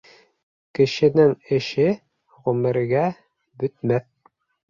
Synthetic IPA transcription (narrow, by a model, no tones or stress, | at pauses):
kɘ̆ʃɘ̆nɘŋɘ̆ʃɘ | ʁɵmɘ̆ɾɡæ | bɵ̆t̪̚mæθ